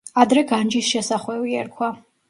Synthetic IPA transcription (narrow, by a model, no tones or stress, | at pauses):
ad̪ɾɛɡand͡ʒisʃɛsaχwɛviɛɾkʰwa